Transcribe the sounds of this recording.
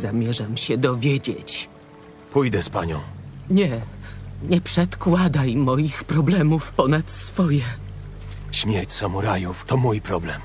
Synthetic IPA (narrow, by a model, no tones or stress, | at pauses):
zamʲjɛʐamɕɛd̪ɔvʲjed͡ʑḛt͡ɕ | pujd̪ɛspaɲɔ̰̃w̃ɲɛ | ɲɛpʂɛt̪kwad̪ajmɔjixpɾɔblɛmufpɔnat̪sfɔjɛ | ɕmʲjɛɾt͡ɕsamuɾajuft̪ɔmujpɾɔblɛm